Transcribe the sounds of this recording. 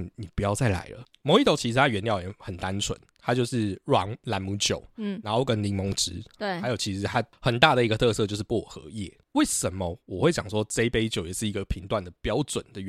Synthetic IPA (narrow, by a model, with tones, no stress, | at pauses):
ni˨˩pu˧˥jɑ˥˧ʊt͡sa˥˩ɪla̰˧˥ɪlə̰˧˦ | mo˨˥ʊi˥t̪o˥ʊt͡ɕʰi˧˥ʂɻ̩˧˥t̪ʰa˥˩ɥɛ˧˦nt̪jɑ˥˩ʊ˨˧˥xə˨˩nt̪a˦˥nt͡sʰwə̰˧˦nt̪ʰa˥t͡ɕjo˥˧ʊʂɻ̩˥˩ɻwɑ˧˥ŋla˧˥nmu˧˥t͡ɕjo̰˨˩ʊ˩n˨˧˥ŋxo˥˩ʊkə˦nli˧˥ŋmɔ˧˥ŋʈ͡ʂɻ̩˧˥˧ɪjo˨˩ʊt͡ɕʰi˧˥ʂɻ̩˧˥t̪ʰa˦˥xə˨˩nt̪a˥˨˩d̪ə˩i˧˥ɡə˧t̪ʰɤ˥˧sɤ˥˧t͡ɕo˥˧ʊʂ̬̩˥˧pwɔ˨˩xɤ̰˧˦jɛ̰˥˩ | we˥˩ɪʂə˨˦mə˨wɔ˨˩xwe˥˩t͡ɕjɑ˨˩ŋʂwɔ˦˥t͡se˥ɪpe˥ɪt͡ɕjo˨˩ʊjɛ˨˩ʂɻ̩˥˩i˧˥ɡə˨˩pʰi˧˥ŋt̪wa˥˩nd̪ə˩pjɑ˥ʊʈ͡ʂwə̰˨˩nd̪ə˨ɥ